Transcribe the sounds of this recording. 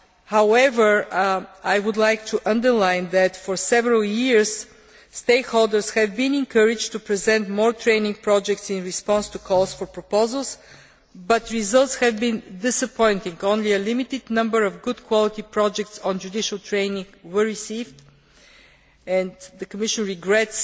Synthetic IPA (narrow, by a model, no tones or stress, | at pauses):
haʊɛvə˞ | ajwʊd̪lajk̚t̪ʰuʔʌ̃nd̪əɹlãɪ̃nðæt̪fɔɹsɛvəɹəlˠjiɹs | st̪eɪkholˠd̪əɹshɛvbĩnɪ̃nkʰəɾɪd͡ʒt̪upɹizɛ̃ntmɔɹt̪ʰɹẽɪnɪ̃ŋɡ̚pɹɔd͡ʒɛk̚tsɪ̃nɹɪspɔ̃nst̪ukʰɔlˠsfɔɹpɹɔpoʊzəlˠs | bʌt̪ɹizʌlˠt̪shɛvbĩnd̪ɪsəpʰɔ̃ɪ̃nt̪ɪ̃ŋɡõʊ̃nliəlɪmit̪ɪd̪nʌ̃mbəɹɔvɡʊd̪kʰwɔlˠɪt̪ipɹɔd͡ʒɛk̚tsɔ̃nd͡ʒud̪ɪʃəlˠt̪ʰɹẽɪnɪ̃ŋɡwə˞ɹisivd | ɛ̃nðəkəmɪʃə̃nɹiɡɹɛts